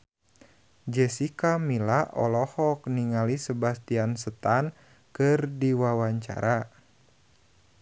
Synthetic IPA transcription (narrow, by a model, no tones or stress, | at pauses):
d͡ʒɛsikamilaʔɔ̰lɔhɔk̚niŋalisəbast̪iansət̪an | kɨrdiwawaɲt͡ʃa̰ɾa